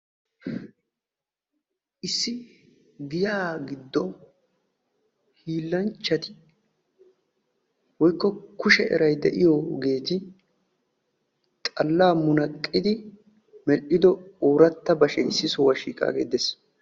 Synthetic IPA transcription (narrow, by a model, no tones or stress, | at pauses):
ʔɪsːɪ | ɡɪjaːɡɪd̪ːɔ | hiːlːɐnt͡ʃːɐt̪ɪ̥ | wɔjkːɔkʊʃɛʔɛ̰ɾɐjd̪ɛʔɪjɔɡe̞ːt̪ɪ | t̪ʼɐlːaːmʊnɐkʼːɪd̪ɪ | mɛlʔɪd̪ɔoːɾɐt̪ːɐbɐʃɛɪsːɪsɔwɐʃiːkʼa̰ːɡeːd̪es